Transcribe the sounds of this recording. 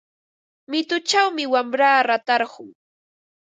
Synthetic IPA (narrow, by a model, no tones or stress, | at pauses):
mɪt̪ʊt͡ʃawmɪwamɾaːɾat̪ɑɾɢʊŋ